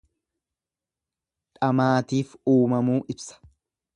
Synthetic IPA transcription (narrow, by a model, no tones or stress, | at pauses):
ᶑɐmaːt̪iːfuːmɐmuːʔɪbsɐ̥